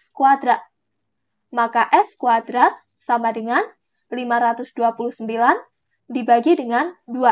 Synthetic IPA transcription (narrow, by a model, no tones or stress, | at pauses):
kuad̪ɾa | makaʔɛskuad̪ɾa | samadəŋan | limaɾat̪ʊsd̥uapuluhsəmbilan | dibaɡidəŋandua